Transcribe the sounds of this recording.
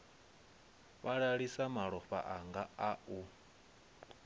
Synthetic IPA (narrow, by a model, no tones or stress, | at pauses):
βaɺaɺisamaɺɔɸa̰ʔaŋɡaau